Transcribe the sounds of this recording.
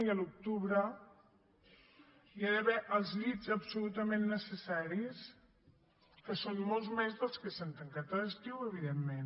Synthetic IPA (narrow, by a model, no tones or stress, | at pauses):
əluk̚t̪uβɾə | jiaðəβɛʔəlˠzʎizəpsulut̪əmenːəsəsaɾis | kəsonmolˠzmezðəlˠskəsant̪əŋkat̪ələst̪iwəβiðemːen